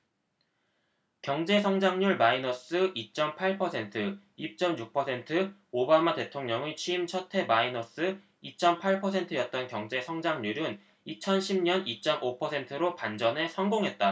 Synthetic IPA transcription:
kjʌŋd͡ʑe̞s̬ʰʌŋd͡ʑaŋɲuɭmainʌs͈ɯʔit͡ɕ͈ʌmpʰaɭpʰʌsʰe̞ntʰɯ | ip̚t͡ɕ͈ʌmjuk̚pʰʌsʰentʰɯobamate̞tʰoŋɲʌŋet͡ɕʰimt͡ɕʰʌtʰe̞mainʌs͈ɯ | it͡ɕ͈ʌmpʰaɭpʰʌsʰe̞ntʰɯjʌt̚t͈ʌnkjʌŋd͡ʑe̞sʰʌŋd͡ʑaŋɲuɾɯn | it͡ɕʰʌnɕʰimɲʌnit͡ɕ͈ʌmʔopʰʌsʰe̞ntʰɯɾopand͡ʑʌnɦe̞sʰʌŋɡoŋɦe̞t̚t͈a

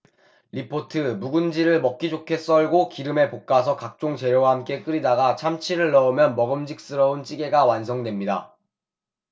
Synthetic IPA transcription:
ɾipʰotʰɯmuɡund͡ʑiɾɯɭmʌk͈id͡ʑokʰe̞s͈ʌɭɡokiɾɯme̞pok̚k͈asʰʌkak̚t͡ɕ͈oŋt͡ɕe̞ɾjowahamk͈e̞k͈ɯɾidaɡat͡ɕʰamt͡ɕʰiɾɯɭːʌɯmjʌnmʌɡɯmd͡ʑik̚s͈ɯɾʌunt͡ɕ͈iɡe̞ɡawans̬ʰʌŋdwe̞mɲida̰

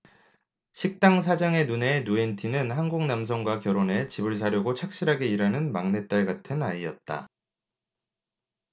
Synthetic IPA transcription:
ɕʰik̚t͈aŋs̬ʰad͡ʑaŋe̞nune̞nuentʰinɯnɦanɡuŋnamsʰʌŋɡwakjʌɾone̞t͡ɕibɯɭs̬ʰaɾjoɡot͡ɕʰak̚ɕ͈iɾɦaɡe̞iɾanɯnmaŋne̞t̚t͈aɭɡatʰɯnaiʌt̚t͈a̰

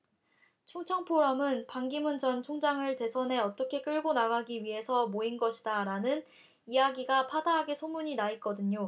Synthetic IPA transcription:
t͡ɕʰuŋt͡ɕʰʌŋpʰoɾamɯnpaŋɡimunt͡ɕʌnt͡ɕʰoŋd͡ʑaŋɯɭte̞sʰʌnɦe̞ʌt͈ʌkʰe̞k͈ɯɭɡonaɡaɡiɥiɦe̞sʰʌmoinɡʌɕʰidaɾanɯn | ijaɡiɡapʰadaɦaɡesʰomuɲinait̚k͈ʌdɯɲo

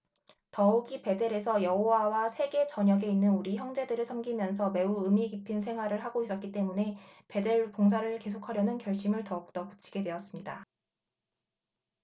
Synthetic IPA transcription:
tʌɯɡipe̞de̞ɾe̞sʰʌjʌɦowawasʰe̞ɡe̞t͡ɕʌɲʌɡe̞inːɯnuɾiçjʌŋd͡ʑe̞dɯɾɯɭsʰʌŋɡimjʌns̬ʰʌme̞uɯmiɡipʰinsʰe̞ŋɦwaɾɯɭɦaɡois͈ʌt̚k͈it͈e̞mune̞pe̞de̞ɭpoŋsʰaɾɯɭke̞sʰokʰaɾjʌnɯnkjʌɭɕ͈imɯɭtʌɯk̚t͈ʌpu̥t͡ɕʰi̥ɡe̞dwe̞ʌs͈ɯmɲida

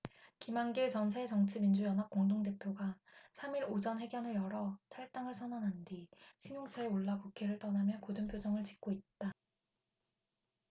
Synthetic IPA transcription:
kimaŋɡiɭt͡ɕʌns̬ʰaet͡ɕʌŋt͡ɕʰimind͡ʑujʌnɦap̚k͈oŋdoŋde̞pʰjoɡa | sʰamiɾod͡ʑʌnɸwe̞ɡjʌnɯɭjʌɾʌtʰaɭt͈aŋɯɭsʰʌnanɦandiɕʰiŋjoŋt͡ɕʰaeoɭːakukʰe̞ɾɯɭt͈ʌnamjʌkodɯmpʰjod͡ʑʌŋɯɭt͡ɕi̥k̚k͈oit̚t͈a

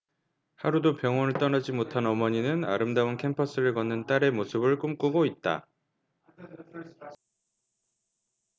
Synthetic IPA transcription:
haɾudopjʌŋwʌnɯɭt͈ʌnad͡ʑimotʰanʌmʌɲinɯna̰ɾɯmdaunkʰe̞mpʰʌs͈ɯɾɯɭkʌnːɯnt͈aɾe̞mosʰɯbɯɭk͈umk͈uɡoit̚t͈a̰

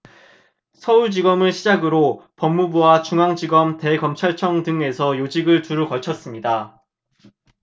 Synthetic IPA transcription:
sʰʌuɭd͡ʑiɡʌmɯɭɕʰid͡ʑaɡɯɾopʌmːubuwat͡ɕuŋaŋd͡ʑiɡʌmte̞kʌmt͡ɕʰaɭt͡ɕʰʌŋtɯŋe̞sʰʌjod͡ʑiɡɯɭtuɾɯkʌt͡ɕʰʌs͈ɯmɲida

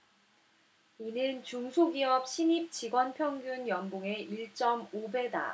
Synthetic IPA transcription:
inɯnt͡ɕuŋsʰoɡiʌp̚ɕʰinip̚t͡ɕiɡwʌnpʰjʌŋɡjunjʌmboŋe̞iɭt͡ɕ͈ʌmobeda̰

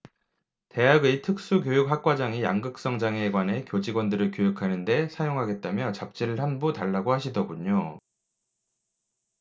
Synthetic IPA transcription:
te̞ɦaɡitʰɯk̚s͈ukjojuk̚hak̚k͈wad͡ʑaŋija̰ŋɡɯk̚s͈ʌŋd͡ʑaŋe̞ɡwane̞kjod͡ʑiɡwʌndɯɾɯɭkjojukʰanɯnde̞sʰajoŋɦaɡe̞t̚t͈amjʌt͡ɕap̚t͡ɕ͈iɾɯɭhanbutaɭːaɡohaɕʰidʌɡuɲo

